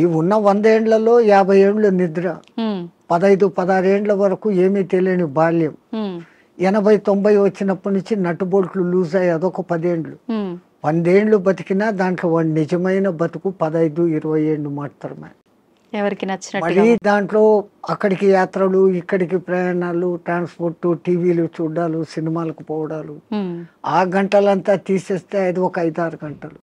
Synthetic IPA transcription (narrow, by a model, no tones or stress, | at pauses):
iʋunːɐʋɐnd̪e̞ːɳɖlɐlo̞ːjaːbʱɐje̞ːɳɖlunid̪ɾɐpɐd̪ɐjd̪upɐd̪aːɾe̞ːɳɖlɐʋɐɾɐkuːe̞ːmiːt̪elenibaːljɐm | ɛnɐbʱɐjt̪ombɐjʋot͡ʃːinɐpːunuɲt͡ʃinɐʈːubo̞ːlʈluluːsaːjɐd̪ɔːkːɐpɐd̪e̞ːɳɖlu | ʋɐnd̪e̞ːɳɖlubɐt̪ikinaːd̪aːɳʈloːɐnnid͡ʒɐmɐjnɐbɐt̪ukupɐd̪ɐjd̪uiɾɐʋɐjeːɳɖumaːɾt̪ɾɐmḛː | ɛʋɐɾikinɐt͡ʃːɐnɐmɐɽid̪aːɳʈlo̞ːɐkːɐɽikijaːt̪ɾɐluikːɐɽikipɾɐjaːɳaːluʈɾaːnspoːɾʈːuʈiːʋiːluːt͡ʃuːɽaːlusinimaːlɐkupɔːɐɽaːlu | aːɡɐɳʈɐlɐnt̪aːt̪iːseːst̪eːɐjd̪ɐɔkɐɐjd̪aːɾuɡɐɳʈɐlu